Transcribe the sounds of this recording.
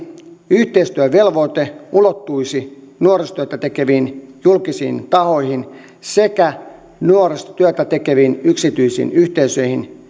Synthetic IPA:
yht̪eist̪yæʋelʋoit̪eulot̪ːuisinuorist̪yøt̪æt̪ekeʋiːnjulkisḭːnt̪ɑhoihin | sekæ | nuorest̪t̪yæt̪æt̪ekeʋiːnyksit̪yisḭːnyht̪eisøihin

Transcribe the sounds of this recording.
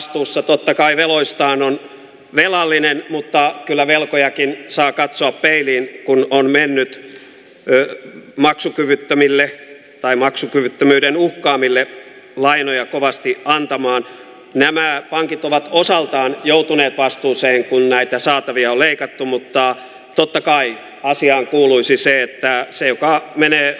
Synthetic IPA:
st̪uːsːɑt̪ot̪ːɑkɑiʋeloist̪ɑːnon | ʋelɑlːinenmut̪ːɑkylːæʋelkojɑkinsɑːkɑt̪soɑppeiliːnkunonmenːyt̪ | mɑksukyʋyt̪ːømilːe | t̪ɑimɑksukyʋyt̪ːømyːdenuhkɑːmilːe | lɑinojɑkoʋɑst̪iɑnt̪ɑmɑːn | næmæpɑŋkit̪oʋɑt̪osɑlt̪ɑːnjout̪uneːt̪ʋɑst̪uːseːŋkunnæit̪æsɑːt̪ɑʋiɑoleikɑt̪ːumut̪ːɑ | t̪ot̪ːɑkɑi | ɑsiɑːŋkuːluisiseet̪ːæsejokɑmeneː

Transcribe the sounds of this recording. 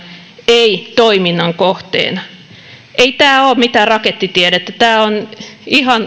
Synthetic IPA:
eit̪oiminːɑŋkoht̪ḛːnɑ | ʔeit̪æːoːmit̪ærɑket̪ːit̪iedet̪ːæt̪æːonihɑn

